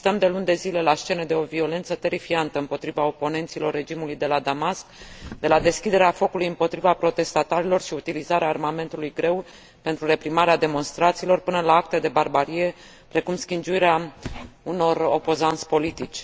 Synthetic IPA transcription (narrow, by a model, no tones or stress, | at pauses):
t̪əmd̪e̞lund̪e̞zile̞last͡ʃe̞ned̪e̞o̞vio̞le̞nt̪sət̪e̞ɾifiant̪əɨmpo̞t̪ɾivao̞po̞ne̞nt̪silo̞rːe̞d͡ʒimulujd̪e̞lad̪amaskd̪e̞lad̪e̞skʲid̪e̞ɾeafo̞kulujɨmpo̞t̪ɾivapɾo̞t̪e̞st̪at̪aɾilo̞rʃiut̪ilizaɾeaːrmame̞nt̪ulujɡɾe̞w | pe̞nt̪ɾuɾe̞pɾimaɾead̪e̞mo̞nst̪ɾat̪siːlo̞rpɨnəlaak̚t̪ed̪e̞barbaɾije̞ | pɾe̞kumskʲind͡ʒuiɾea | uno̞ropo̞zant̪sʲpo̞lit̪it͡ʃʲ